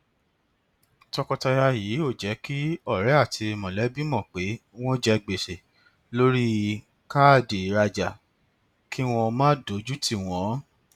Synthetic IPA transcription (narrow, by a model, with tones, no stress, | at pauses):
tɔ˧kɔ˧ta˧ja˧jiː˨˦o˦˨d͡ʒɛ˨˦ki˦ɔ˦˨ɾɛ˨˦a˦˨ti˧mɔ̃˨lɛ˨˦bi˦mɔ̃˨k͡pe˨˦w̃ɔ̃˦d͡ʒɛ˧˦ɡ͡be˨ʃe˨ | lo˦ɾi˦ | ka˦˨de˨ɾa˧d͡ʒa˨ | kʰi˦w̃ɔ̃˧mãː˦do˨˦d͡ʒu˦ti˧˨w̃ɔ̃˨˦